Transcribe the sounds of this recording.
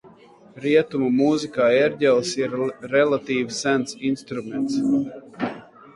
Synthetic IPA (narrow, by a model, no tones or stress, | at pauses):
ɾiɛt̪umumuzikaːeɾɟɛlˠsiɾːɛlˠat̪iːvsænt̪sinst̪ɾument̪s